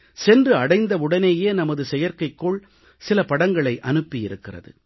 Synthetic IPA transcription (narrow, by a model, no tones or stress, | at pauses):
sɛndrɯɐɽɐɪnd̪ɐʊɽɐneːjeːnɐmɐðɯsɛjɐɾkɐɪkːʊɭ | sɪlɐpɐɽɐŋɡɐɭɐɪʔɐnɯpːɪjɪɾɯkːɪrɐ̰ðɯ̰